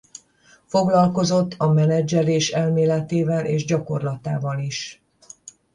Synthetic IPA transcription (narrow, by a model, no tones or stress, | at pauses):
fo̞ɡlɒlko̞zo̞t̪ːɒmɛnɛd͡ʒɛɾeːʃɛlmeːlɛt̪eːvɛlʔeːʒɟɒko̞rlɒt̪aːvɒliʃ